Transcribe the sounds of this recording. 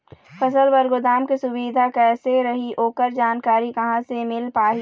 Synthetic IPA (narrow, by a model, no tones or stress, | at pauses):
fɐsəlbəɾɡod̪aːmkesʊbiːd̪ʱakɛːseɾɐɦiɦoːkəɾd͡ʒaːnkaːɾikɐɦãsemɪlpaːɦi